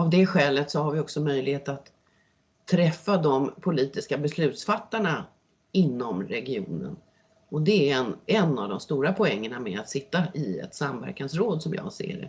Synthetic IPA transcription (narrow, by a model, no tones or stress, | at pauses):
avd̪ɛɧɛːlət̪sɔhaɾvɪɔksɔmœjlɪheːt̪at̪ʰː | ɾɛfːad̪ɔmpʰʊliːt̪ɪskabɛslʉ̟ːt̪sfat̪ːaɳa | ɪnːɔmɾɛɡɪuːnə̰n | ɔd̪ɛːɛnɛnːavd̪ɔmst̪uːɾapʰɔɛŋːənamɛ̰at̪sɪt̪ːaʔɪɛ̰t̪samvæ̰ɾkansɾoːd̪sɔmjɑ̰ːɡsḛːɖɛ̰